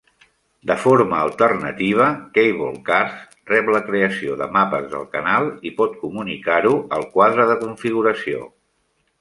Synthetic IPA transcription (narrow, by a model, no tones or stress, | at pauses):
d̪əfoɾməːlˠt̪ərnət̪iβ̞əkejβɔ̰lˠkaɾs | rɛpləkɾeəsioðə̰mapəzðə̰lˠkənalˠipɔt̪̚kumunikaɾuəlˠkwaðɾəðəkuɱfiɣ̞uɾəsio̰